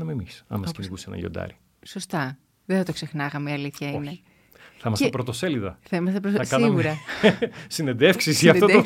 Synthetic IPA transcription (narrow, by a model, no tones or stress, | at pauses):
nɐmemisɐ̰mɐskiniɣusenɐ̰ʝo̰d̪ɐ̰ɾi | so̞st̪ɐ | ðeθɐt̪o̞kse̞xnɐɣɐmiɐliθçɐnei̥ | θɐimɐsepɾot̪o̞seliðɐθɐimɐst̪epɾoɐskɐiɣmuɾɐ | sined̪efksisʝɐft̪oo